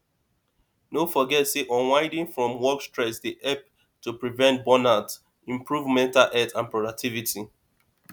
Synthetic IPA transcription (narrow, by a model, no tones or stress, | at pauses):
nofɔɡɛtseʔɔ̃wãɪdĩŋfɹɔ̃mwɔkstɹɛsdiʔɛp̚ | tupɹivɛ̃nt̚bɔnat | ĩmpɹuvmɛ̃ntalʔɛtʰãnpɹɔdak̚tʰiviti